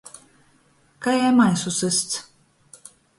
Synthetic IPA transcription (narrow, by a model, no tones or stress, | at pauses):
kajajmajsusɨst̪s